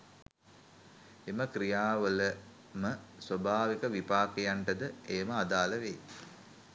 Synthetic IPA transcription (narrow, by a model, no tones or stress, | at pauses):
eməkɾijaːʋələ | məsʋəbʱaːʋikəʋipaːkejaɳʈəd̪əejməad̪aːləʋe